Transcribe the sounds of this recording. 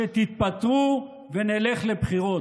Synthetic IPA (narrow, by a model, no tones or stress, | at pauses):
et̪it̪̚pat̪ʁu | veneleχlebχiʁo̞